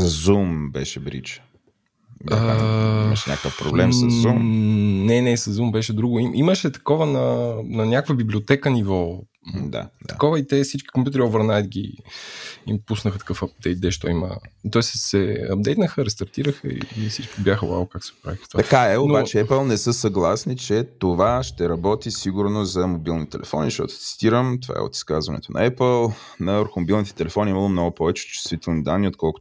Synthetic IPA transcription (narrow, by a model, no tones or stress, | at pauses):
zumbɛ̰ʃɛbɾḭt͡ʃ | əʃnʲɲʲa̰kəfpɾo̰blɛ̰mszzumnɛnɛsɐzːumbɛʃɛd̪ɾuɡʊimʔiməʃɛt̪ɐ̥kɔvənɐnɐnʲjakvəbiblʲiot̪ɛkənivɔ | d̪a̰dt̪ɐ̥kɔvəit̪ɛsit͡ʃkʲi̥kompʲjut̪ɛɾiovəɾnajd̪ɡʲḭ | impusnəxət̪ɐ̥kɤfɐb̚d̪ɛjt̪̚d̪ɛʃt̪ɔ̰imə̰t̪ɔɛssɛɐb̚d̪ɛjt̪nəxəɾɛst̪ɐɾt̪iɾəxəḭifsit͡ʃkʲibjaxəlˠa̰vokaksɛɡopɾa̰vixə̥ft̪vat̪ɐkaɛonbat͡ʃɛɛpəlˠnɛsɤsɐɡlˠasnit͡ʃɛt̪ovaʃt̪ɛɾɐbɔt̪isiɡuɾnozɐmobilˠnit̪ɛlʔɛ̰fɔ̰nḭʃt̪ɔ̰t̪o̥t̪si̥t̪iɾəmt̪ova̰ɛ̰o̰t̪i̥skazvɐnɛ̰t̪onɐ̰ɛpəlˠ | nɐəɾxomobilˠnit̪ɛ̥t̪ɛlɛfɔniiməlˠomnɔɡʊpɔvɛt͡ʃɛ̥t͡ʃɪ̥st̪vit̪ɛlˠnid̪anːiot̪̚kɔlˠkʊ